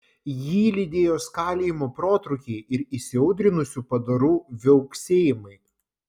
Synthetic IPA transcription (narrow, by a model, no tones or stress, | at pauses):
jiːlʲɪd̪ʲeːjoːskɑːlʲeːjɪmoːpɾoːt̪ɾʊkʲeɪʔɪɾisʲɪɐʊd̪ʲɾʲɪnʊsʲuːpɐd̪ɐɾuːʋʲɛʊksʲeːjɪmɐɪ